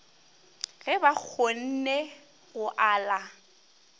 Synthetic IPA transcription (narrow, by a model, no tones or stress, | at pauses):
ɣɛbak͡xʰon̩ne | ɣʊʔaːla